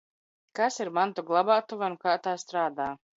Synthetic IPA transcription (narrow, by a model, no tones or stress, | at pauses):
kasiɾmant̪uɡlˠabaːt̪uvankaːt̪aːst̪ɾaːd̪aː